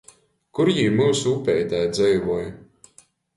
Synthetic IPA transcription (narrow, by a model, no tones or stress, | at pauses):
kuɾjiːmuːsuːpʲɛjt̪ajd̪zɛjvuɔj